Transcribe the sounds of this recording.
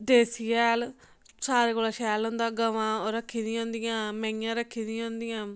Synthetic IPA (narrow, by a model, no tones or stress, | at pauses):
d̪eːsijɛːl | saːɾeːkoːlaːʃɛːlʊ̃nd̪aːɡəʋãːɾəkʰːiːd̪ĩõːnd̪ijãːmɛ̃ːjãːɾəkʰːiːd̪ĩõːnd̪ijãː